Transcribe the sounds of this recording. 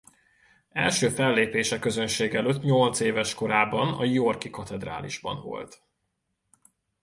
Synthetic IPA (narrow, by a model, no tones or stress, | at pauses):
ɛ̰lʃøːfɛlːeːpeːʃɛkøzønʃeːɡɛløːt̪ːɲo̞lt̪seːvɛʃko̞ɾaːbɒnɒ̰jorkikɒt̪ɛd̪ra̰ːlḭʒbɒ̰nvo̞̰lt̪